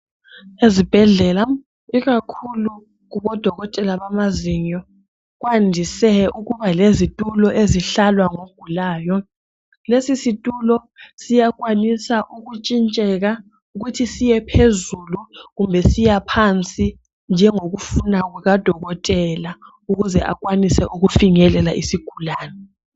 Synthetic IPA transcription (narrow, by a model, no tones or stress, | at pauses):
ezib̥ʱɛɮɛla | iɣakʰulu | ɣuβɔd̥ʱɔɣɔtʼɛlaβamaziɲɔ | ɣwandʱisɛuɣuβalezitʼulɔʔeziɬalwaŋoɡ̥ʱulaːjɔ | lesisitʼulɔ | sijak̬ʼwanisaʔuɣut͡ʃʼint͡ʃʼɛɣa | uɣutʰisijɛpʰezuluɣumbʱɛsijapʰant͡sʼi | nd͡ʒʱɛŋoɣufunaɣwɛɣad̥ʱɔɣɔtʼɛla | uɣuzɛʔa̰kwanisɛ̰ʔuɣufiŋɛlɛlaʔisiɡ̥ʱulaːnɛ